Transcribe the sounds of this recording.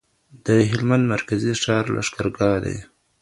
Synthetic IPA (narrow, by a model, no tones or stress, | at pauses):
d̪əɦɪlmand̪maɾkaziʂɑːɾlʔa̰ʂkaɾɡɑd̪ḛj